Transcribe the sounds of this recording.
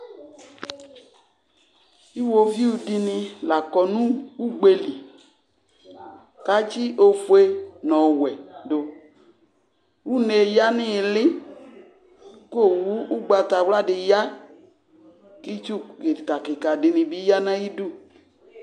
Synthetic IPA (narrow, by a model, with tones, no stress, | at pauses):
i˦wo˨vi˦u˧di˧nɪ̃˧la˨kɔ˨nũ˦u˦ɡ͡be˧li˨ | ka˨˦t͡ʃi˦ʔo˨fu˨e˦nɔ̃˨wɛ˨do˨ | wu˦ne˨ja˦nɪ̃˦˨lɪ˦ | ko˦˨wu˦u˦ɡ͡ba˧ta˨wla˦dɪ˨ja˦ | ki˦t͡ʃu˦kka˨kɪ˨ka˨dɪ˨nĩ˧bi˦ja˦nã˦ji˦du˦